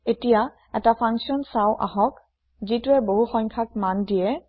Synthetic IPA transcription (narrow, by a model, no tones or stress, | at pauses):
etija | ɛtapʰaŋksiɔnsaʊʔa̰ɦɔk | zituɛboɦuxɔɲkʰakmandijɛ